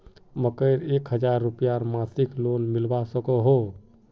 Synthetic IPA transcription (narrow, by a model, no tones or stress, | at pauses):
məkəɪɾekɦəd͡ʒaɾːupjaɾmasiklonmilbasəkoɦo